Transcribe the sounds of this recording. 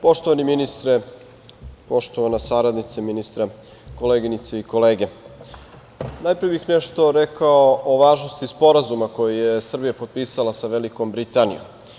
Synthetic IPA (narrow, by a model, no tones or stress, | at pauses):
po̞ʃt̪oʋaniminist̪ɾe | poʃt̪oʋanasaɾad̪nit̪seminist̪ɾa | ko̞leːɡinit̪seiko̞leːɡe̞ | naːjpɾijebixneʃt̪o̞ɾekaoʔoʋaːʒnost̪ispo̞ɾazumako̞jijesr̩bijapot̪̚piːsalasaʋeliko̞mbɾit̪anḭjo̰m